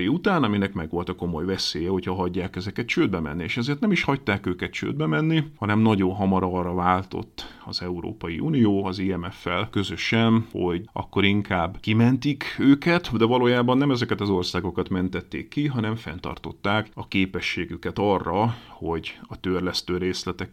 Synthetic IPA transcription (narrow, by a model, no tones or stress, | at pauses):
iut̪aːnɒminɛkmɛɡʋo̞lt̪ɒko̞mo̞jvɛseːjɛho̞chɒɦɒɟːaːkɛzɛkɛt̪t͡ʃøːd̪̚bɛmɛ̰nːieːʃɛzeːrt̪nɛmiʃhɒct̪aːkøːkɛt̪̚t͡ʃø̰ːd̪̚bɛmɛnːihɒnɛmnɒɟonɦɒmɒɾɒɾɒvaːlt̪o̞̰t̪ːɒ̰zɛuɾo̰ːpɒjḭʔunijoːɒziːɛmɛfːɛlkø̞zøʃɛnho̞ɟʔɒ̰kːo̞ɾiŋkaːbːkimɛnt̪ikøːkɛt̪d̪ɛvɒloːjaːbɒnːɛmɛzɛkɛt̪ɒzo̞rsaːɡo̞kɒt̪mɛnt̪ɛt̪ːḛːkːiɦɒnɛɱfɛ̰nt̪ɒ̰rt̪o̞̰t̪ːaːkɒkeːpɛʃːeːɡykɛt̪ɒrːɒho̞ɟɒt̪ørlɛst̪øːɾeːslɛt̪ɛk